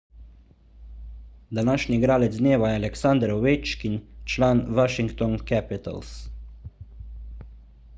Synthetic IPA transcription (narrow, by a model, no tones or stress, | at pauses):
d̪anaːʃnʲiɡɾaːlɛd̪zd̪neːʋajɛalɛksand̪ɾɔʋet͡ʃkint͡ʃlaːnʋaʃiŋkt̪ɔnkɛpit̪a̰ls